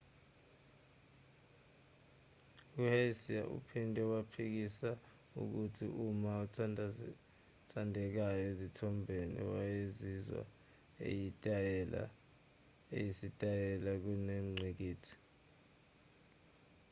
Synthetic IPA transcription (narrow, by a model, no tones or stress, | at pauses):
uhasia̰ʔṵpʰindʱʼɛwapʰik̬isa | ṵk̬utʰḭʔumautʰ | tʰandʱɛk̬ajɔezitʰɔmbʱenḭwajezizwa̰ | ḛjitʼla̰ | ḛjisitʼajɛlak̬unem̩ŋ͡ǀʱik̬iːtʰi̥